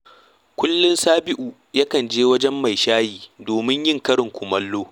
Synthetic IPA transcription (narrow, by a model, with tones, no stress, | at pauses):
kʷʊ˦lːʊ˦nsaː˦bɪ˦ʔu˨ | ja˦kɐ˨nd͡ʒeː˦wɐ˦d͡ʒɛ˦mːa˨jʃaː˦jiː˨doː˨mɪ˦ɲjɪ˦˨ŋkɐ˦ɽɪ˨ŋkʷʊ˨mɐ˦lːoː˦